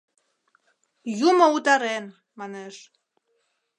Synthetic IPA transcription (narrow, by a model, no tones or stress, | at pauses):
jumout̪ɑɾen | mɑneʃ